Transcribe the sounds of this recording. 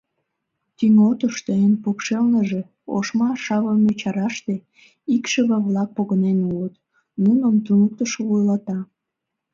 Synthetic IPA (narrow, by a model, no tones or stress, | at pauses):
t̪yŋot̪əʃt̪əenpukʃelnəʒe | o̰ʃmɑʃɑβəmyt͡ɕɑɾɑʃt̪e | ikʃəβəβlɑk̚poɣənenulət̪ | nunəmt̪unək̚t̪əʃoβujlɑt̪ɑ